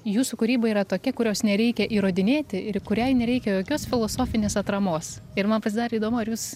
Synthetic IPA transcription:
juːsukʊɾʲiːbɐiːɾɐt̪oːkʲɛkʊɾʲoːsnʲɛɾʲɛɪkʲɛʔiːɾoːd̪ʲɪnʲeːt̪ʲɪɪrkʊɾʲɛɪnʲɛɾʲɛɪkʲɛjoːkʲoːsfʲɪlˠoːsoːfʲɪnʲeːsɐt̪ɾɐmoːsɪɾmɐnpɐsʲɪd̪ɑːɾɐiːd̪oːmoːɪɾjuːs

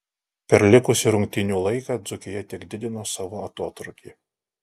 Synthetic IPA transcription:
pʲɛɾlʲɪkʊsʲɪɾʊŋʲk̚t̪ʲɪnʲuːlˠɐɪkɑd̪zʊkʲɪjɛt̪ʲɪkd̪ʲɪd̪ʲɪnoːsɑʋoːɐt̪oːt̪ɾʊkʲi

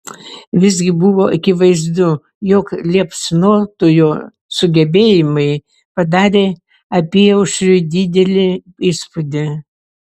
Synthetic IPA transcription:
ʋʲɪzʲɡʲɪbʊʋoːʔɐkʲɪʋɐɪzd̪ʊ | joːklʲiɛpsnoːt̪ojoː | sʊɡʲɛbʲeːjɪmɐɪ | pɐd̪ɑːɾʲeː | ɐpʲiɛʊʃɾʲʊd̪ʲid̪ʲɛlʲɪ | iːspʊd̪ʲɪ

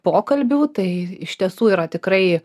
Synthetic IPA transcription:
poːkɐlʲbʲuːt̪ɐɪɪʃʲt̪ʲiɛsuːiːɾɐt̪ʲɪkɾɐɪ

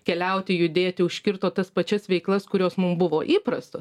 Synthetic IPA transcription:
kʲɛlʲɛʊt̪ʲɪjʊd̪ʲeːt̪ʲɪʊʃʲkʲɪɾt̪oːt̪ɐspɐt͡ʃʲɛsʋʲɛɪklˠɐskʊɾʲoːsmʊmbʊʋoːʔiːpɾɐst̪oː

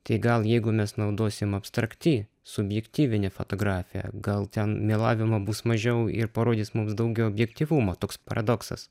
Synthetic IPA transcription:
t̪ɐɪɡɐlˠjɛɪɡʊmʲɛsnɐʊd̪oːsʲɪmɐpst̪ɾɐkt̪ʲɪ | sʊbʲjɛkt̪ʲiːʋʲɪnʲɛfo̰t̪oːɡɾɑːfʲɪjɛ̰ɡɐlˠt̪ʲɛnmʲeːlˠɑːʋʲɪmɐbuːsmɐʒʲɛʊɪ̰ɾpɐɾoːd̪ʲɪːsmʊmsd̪ɐʊɡʲɛʊɔbʲjɛkt̪ʲiːʋumoːt̪oːkspɐɾɐd̪oksɐ̰s

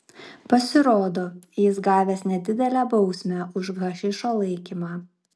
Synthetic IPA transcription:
pɐsʲɪɾoːd̪oːjɪsɡɑːʋʲeːsnʲɛd̪ʲɪd̪ʲɛlʲæːbɒʊsʲmʲæʊʃɡɐʃʲɪʃoːlˠɐɪkʲimɑː

